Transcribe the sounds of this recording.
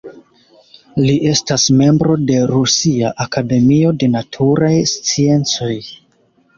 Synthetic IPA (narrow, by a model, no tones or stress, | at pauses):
liʔe̞stasme̞mbɾo̞de̞ɾusiaʔakade̞mio̞de̞natʰuɾajst͡sie̞nt͡so̞j